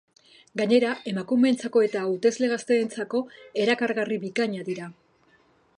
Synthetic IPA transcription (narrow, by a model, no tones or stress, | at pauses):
ɡaɲe̞ɾae̞makume̞nt͡sako̞e̞t̪aut̪e̞zle̞ɣast̪e̞ːnt͡sako̞e̞ɾakaɾɣariβikaɲaðiɾa